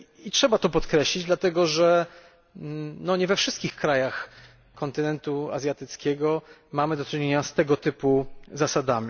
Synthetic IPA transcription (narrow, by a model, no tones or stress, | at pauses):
itʂɛbat̪ɔpɔt̪kɾɛɕlʲid͡ʑd̪lat̪ɛɡɔʐɛ | nɔɲɛvɛfʂɘ̥st̪kʲixkɾajax | kɔnt̪ɘnɛnt̪ua̰zʲjat̪ɘt̪skʲɛɡɔmamɘd̪ɔt͡ʂɘɲeɲast̪ɛɡɔt̪ɘpuzasad̪amʲi